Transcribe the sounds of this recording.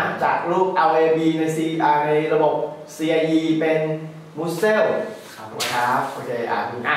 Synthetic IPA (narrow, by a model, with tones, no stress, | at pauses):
t͡ɕa̰ː˨˩k̚luː˥˩p̚ʔa˧wʔeː˧biː˧na˧jsiː˧iː˧ʔaː˧na˧jɾa˧bo˨˩p̚si˧ʔa˧ʔiː˧pe˧n | mu˦˥se˥˩wkʰa˨˧˩kʰa˦˥kʰa˧t͡ɕa˧˩˧ʔa̰ː˨˩duː˧˩˦